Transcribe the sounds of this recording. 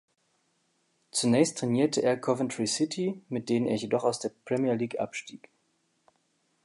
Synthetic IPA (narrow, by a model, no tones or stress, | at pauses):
t͡sunɛːçstʰʁ̥ɛniːɐtʰəʔeːɐkʰɔvəntʁisɪtʰimɪt̚d̥eːʁənḛːɐjedɔχaʊsd̥eːɐpʁ̥ɛmiɐliːkʔa̰pʃtiːk